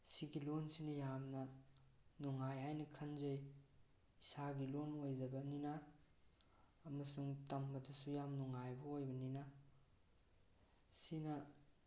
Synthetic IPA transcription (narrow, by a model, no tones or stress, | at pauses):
siɡilonsinɐjamnɐ | nuŋajɦajnɐkʰɐnzɐj | isaɡilonojd͡ʒɐbɐnina | ɐmɐsuŋtɐmbɐdɐsujamnuŋajbɐojbɐnina | sinɐ